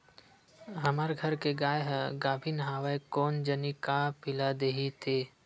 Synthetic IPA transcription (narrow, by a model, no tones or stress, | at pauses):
ɦɐmaɾɡʱɐɾkeɡaːjɦɛɡaːbʱinɦaːʋaekɔːnd͡ʒənikapɪlad̪eːɦit̪ʰeː